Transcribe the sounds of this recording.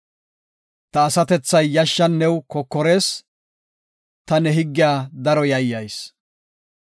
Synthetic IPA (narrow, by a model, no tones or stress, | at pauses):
t̪ɐːsɐt̪ɛt͡sːɐjːɐʃːɐnːɛwkɔkːɔɾe̞ːs | t̪ɐnɛɦɪɡːɪjaːd̪ɐɾɔjɐjːɐjs